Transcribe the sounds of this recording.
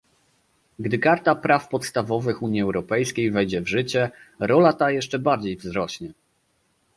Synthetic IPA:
ɡd̪ɘkaɾt̪apɾafpɔt̪st̪avɔvɘxuɲjiɛwɾɔpɛjskʲejvɛjd͡ʑɛvʐɘt͡ɕɛɾɔlat̪ajɛʂt͡ʂɛbaɾd͡ʑejvzɾɔɕɲɛ

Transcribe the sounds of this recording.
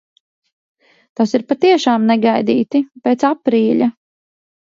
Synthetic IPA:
t̪asiɾpat̪iɛʃaːmnɛɡajd̪ḭːt̪ipet̪sapɾiːʎʲɐ

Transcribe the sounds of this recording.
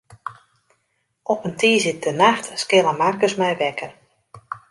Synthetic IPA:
ʔɔpəntʰiːzɪt̚dənaxtskɪlˠəmarkəsmɛjʋɛkʰər

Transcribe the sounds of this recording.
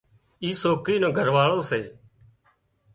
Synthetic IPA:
iːsoːkɾiːnõːɡʱəɾʋaːɭõːseː

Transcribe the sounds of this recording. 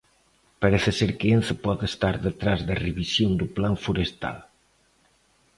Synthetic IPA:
paɾeθɪseɾkɪenθɪpɔðest̪aɾðet̪ɾazðareβisjond̪uplaɱfuɾest̪a̰l

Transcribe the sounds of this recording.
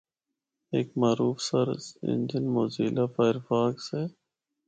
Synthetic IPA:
eːkmaːɾuːfsɐɾɪ̰nd͡ʒɪnmoːziːlapaɪɾfaːkse

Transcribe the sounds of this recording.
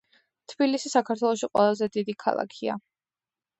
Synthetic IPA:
t̪ʰb̥ilisisakʰaɾt̪ʰwɛlˠɔʃiqʼwɛ̰lˠazɛd̪id̪ikʰa̰lˠa̰kʰia̰

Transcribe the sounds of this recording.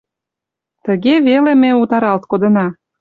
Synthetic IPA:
t̪əɣevelemeut̪ɑɾɑlt̪̚kod̪ənɑ

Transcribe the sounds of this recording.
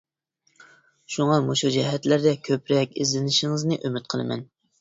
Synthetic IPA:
ʃuŋɑmoʃud͡ʒɛɦɛt̪læɾd̪ɛkʲʰøpɾɛkʲizlɪnɪʃɪŋɨznɨʔømɪt̪̚qʰəlˠɨmɛ̰n

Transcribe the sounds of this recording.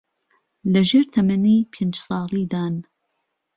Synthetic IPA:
lɐʒeːɾt̪ʰɐmɐniːpʰeːnd͡ʒsɑːlˠiːd̪aːn

